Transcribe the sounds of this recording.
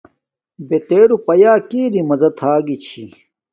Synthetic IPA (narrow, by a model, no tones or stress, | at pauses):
bet̪eːɾupɐjaːkiːɾimɐzɐt̪ʰaːɡit͡ɕʰḭ